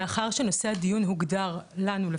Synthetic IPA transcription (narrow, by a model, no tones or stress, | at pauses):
aχaʁʃeno̞sead̪ijunɦuɡd̪aʁlanule